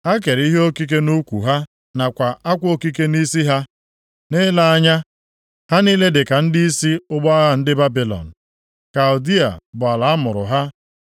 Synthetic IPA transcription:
a˦ke˨ɾi˦ɦe˦o˦ki˦k̬e˦nu˦kʷṵ˨ɦa˦ | na˨kʷa˨ʔa˦kʷo˦ki˦ke˦ni˦si˦ɦa˦ | ne˦la˦ɲa˦ | ha˦niː˦le˦dɪ˨ka˨n̩˦dɪ˦i˦si˦ʊ˦ɡ͡bɔ˦a˦ɣa˦n̩˦dɪ˦ba˦bi˨lɔ̰˨n̩˨ | ka˨ʊ˨di˦a̰˨bʊ˨a˨la˨a˦mʊ˨ɾʊ̰˨ɦa˦

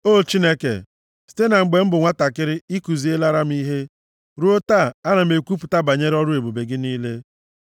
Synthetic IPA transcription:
o˦˨t͡ʃi˦ne˦kḛ˨ | si̥˨te˦na˨ŋ͡m̩˨ɡ͡be˨m̩˦bʊ˨ŋʷa˦ta˨kɪ˦ɾɪ˦i˦ku˨zi˨˦e˦la˦ɾa˦m̩˦i˦ɦe˦ | ɾu˦o˦ta˦˨a˦na˨m̩˨e˨kʷu˦p̬ʊ˨ta˦ba˨ɲe˦ɾɔ˦ɾʊ˦e˨bo˨be˨ɡɪ˦niː˦le˦

